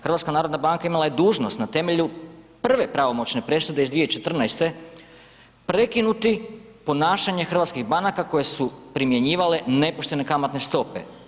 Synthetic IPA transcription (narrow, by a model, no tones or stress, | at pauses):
xr̩ʋat̪skanaːɾo̞d̪nabaŋkaimalˠaje̞d̪uːʒno̞st̪nat̪e̞me̞ʎupr̩ʋe̞pɾaʋo̞mo̞t͡ɕne̞pɾe̞sud̪e̞izd̪ʋijeit͡ʃe̞t̪r̩najst̪e̞ | pɾe̞kinut̪i | po̞naːʃaɲe̞xr̩ʋat̪skiɣbanakakoje̞supɾimje̞ɲiːʋale̞ne̞poʃt̪e̞ne̞kamat̪ne̞st̪o̞pe̞̰